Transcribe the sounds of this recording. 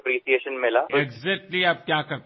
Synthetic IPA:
pɾiːʃieːʃənmɪlaːeɡzɛk̚ʈliaːp̚kjaːkɐɾ

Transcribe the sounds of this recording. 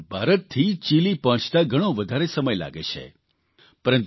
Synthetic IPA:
bʱaɾət̪t̪ʰːit͡ʃilipə̃t͡ʃʰt̪aɡʱəɽ̃õʋəd̪ʱaɾesəməjla̰ɡḛt͡ʃʰḛ | pəɾənt̪

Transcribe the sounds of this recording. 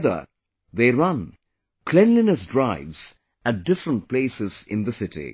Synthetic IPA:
ðə̰ | ðeːɹʌ̃n | kʰlɛ̃nlɪnəsdɹaɪvz̥ | æt̚dɪfɾə̃nʈ̚pleːsɪz̥ɪ̰̃nðəsɪtḭ

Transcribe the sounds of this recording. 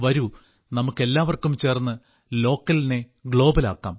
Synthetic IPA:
ʋɐɾu | nɐmukːe̞lːaːʋɐrkumt͡ɕe̞ːrnːɨ | lo̞ːkːɐline̞ | ɡɭo̞ːbɐla̰ːkːa̰ːm

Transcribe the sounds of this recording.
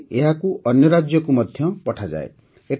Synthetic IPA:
eɦakuʔʌnjʌɾad͡ʒjɔkumʌd̪ʱjʌpɔʈʰad͡ʒa̰ḛ | eʈ

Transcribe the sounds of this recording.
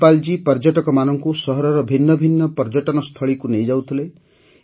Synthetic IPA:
pald͡ʒipɔɾd͡ʒɔʈɔkɔmanɔŋkusʌɦɔɾɔɾɔbʱinːɔbʱinːɔpɔɾd͡ʒɔʈɔnɔst̪ʰʌɭikunejd͡ʒawt̪ʰilej

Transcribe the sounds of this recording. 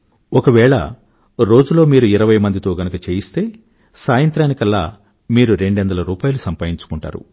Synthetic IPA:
ɔkɐʋɛːɭɐ̰ | ɾo̞ːd͡ʒulo̞ːmiːɾuiɾɐʋɐjmɐnd̪it̪o̞ːɡɐnukɐt͡ʃeːjist̪e̞ː | saːjɐnt̪ɾaːnikɐlːa̰ː | miːɾuɾe̞ɳɖɛnd̪ɐlɐɾuːpaːjɐlusɐmpaːjiɲt͡ʃu̥kuɳʈa̰ːɾṵ

